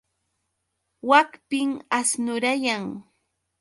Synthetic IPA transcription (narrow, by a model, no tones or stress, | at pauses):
wakpɪŋasnʊɾajaŋ